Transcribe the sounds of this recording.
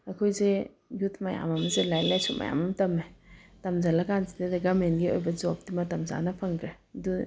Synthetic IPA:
ɐkʰojze | jutʰmɐja̰mɐmɐzelajlajsumɐ̰ja̰mɐmtɐmetɐmzalɐkanzidadɐɡɐmenɡiojbɐzop̚dimɐtɐmza̰nɐpʰɐŋdɾe | du

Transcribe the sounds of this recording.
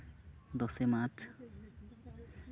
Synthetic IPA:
d̪ɔsemaɾt͡ʃʰ

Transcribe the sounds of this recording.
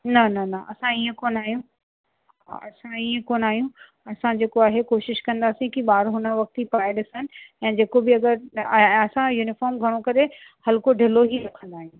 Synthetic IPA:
nɐnɐnɐʔɐsãiə̃koːnaːɦijũ | ɐsãiːẽkoːnaːɦijũ | ɐsãd͡ʑeːkoaːɦekoːʃɪʃkɐ̃nd̪aːsĩkiɓaːɾɦʊnəʋɐk̚t̪ipaːɪɗɪsənɪ̆ɛ̃ːd͡ʑeːkobɪɐɡəɾɐsãjuːnɪfɔːɾmɡʱɐɽ̃okɐɾe | hɐlkoɖʱɪloɦiɾɐkʰə̃nd̪aːɦijũː

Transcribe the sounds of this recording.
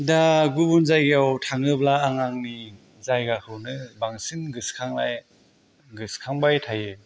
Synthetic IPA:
daɡubunzajɡjawtʰaŋɯblaːŋaŋni | zajɡakʰɯwnɯbaŋsinɡɯskʰaŋlaj | ɡɯskʰaŋbajtʰaje

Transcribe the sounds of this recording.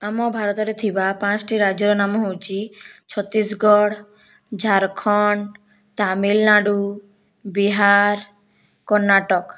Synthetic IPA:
amɔbʱaɾɔt̪ɔɾet̪ʰibapãt͡ɕʈiɾad͡ʑɔɾɔnamɦowt͡ɕʰit͡ɕʰɔt̪ːisɡɔɽ | d͡ʑʱaɾkʰɔn | t̪amilnaɖu | biɦaɾ | kɔɾnːaʈɔk

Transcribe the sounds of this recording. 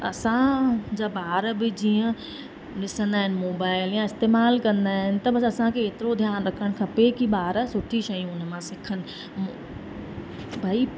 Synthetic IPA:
ɐsãd͡ʑaːbaːɾbɪd͡ʑiːə̃ | ɗɪsə̃nd̪aːɦɪnɪ̆moːbaːɪljãɪst̪eːmaːlkɐ̃nd̪aːɦɪnɪ̆t̪ɐbɐs̬ɐsãkʰeet̪ɪɾod̪ʱjaːnɾɐkʰəɽ̃kʰɐpekiɓaːɾsʊʈʰiʃɐjũʊnəmãsɪkʰənɪ̆ | bʱaːi

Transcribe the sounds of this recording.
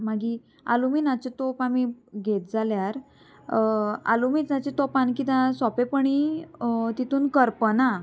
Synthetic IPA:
maɡi | a̰luminat͡ɕet̪opamiɡʱet̪̚d͡zaljaɾ | a̰lumiːt͡s̪nat͡ɕet̪opankit̪ãsɔpepəɳi | t̪it̪uːnkəɾpəna

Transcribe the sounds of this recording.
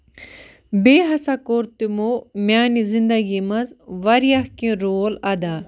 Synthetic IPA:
beːɦɐsakoɾt̪imomʲjaːnizĩnd̪ɐɡimɐzʋɐɾijahkĩɾoːlɐd̪aː

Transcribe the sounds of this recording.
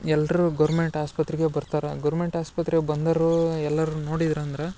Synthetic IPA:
ɛlːɐɾuɡɐɾmeɳʈaːspɐt̪ɾiɡebɐɾt̪aːɾɐɡɐɾmeɳʈaːspɐt̪ɾɛbɐnd̪ɐɾuɛlːɐɾuno̞ːɽid̪ɐɾɐnd̪ɐɾe

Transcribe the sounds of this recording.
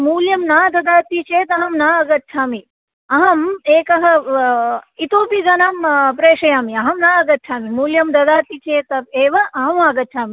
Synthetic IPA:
muːljɐmnaːd̪ɐd̪aːt̪it͡ʃeːt̪ɐɦɐmnaːɐɡɐt̪ːt͡ʃʰaːmi | ɐɦɐmeːkɐɦɐ | it̪oːpiɡɐnaːmpɾeːʂɐjaːmiɐɦɐmnaːɐɡɐt̪̚ːt͡ʃʰaːmimuːljɐmd̪ɐd̪aːt̪it͡ʃeːt̪ɐbeːʋɐʔɐɦɐmaːɡɐtːt͡ʃʰaːmi

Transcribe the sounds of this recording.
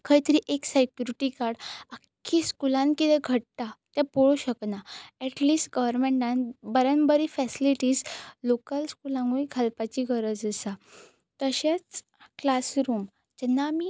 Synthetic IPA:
kʰajt̪əɾiʔeksekjuɾiʈikaɾɽakʰːiskulãnkid̪ɛɡʱəɽt̪at̪jãpoɭuɕəknaɛʈliːsʈɡəʋəɾmẽɳʈãnbəɾənbəɾifɛsiliʈiːslokəlskulãŋɡuikʰalpat͡ɕiɡʱəɾəd͡zəsa | t̪əɕat͡s | klasɾuːm | d͡ʑɛnːaːmi

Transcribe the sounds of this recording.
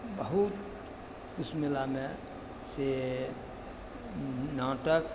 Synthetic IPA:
bəɦut̪̚ | ʊsmelamẽ | se | naːʈək

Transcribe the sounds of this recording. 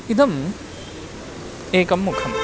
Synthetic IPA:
id̪ɐm | ekɐmːukʰɐm

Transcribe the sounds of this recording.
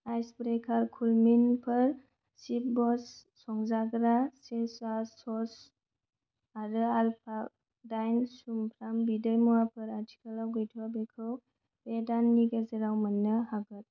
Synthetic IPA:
ajsbɾekʰaɾkʰulminpʰɯɾ | sip̚bɔsː | ɔŋzaɡɾaseswasɔs | aɾɯalpʰak̚ | dajnsumpʰɾambidəjmuwapʰɯɾatʰi̥kʰalawɡɯjtʰuabekʰɯw | bedanːiɡezeɾawmənːɯhaɡɯt̚

